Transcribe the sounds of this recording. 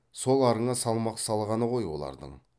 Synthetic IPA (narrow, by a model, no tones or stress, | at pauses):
so̞lˠɑɾəɴɑsɑlˠmɑqsɑlˠʁɑnəʁo̞jwo̞̰lˠɑ̰ɾd̪ə̰ɴ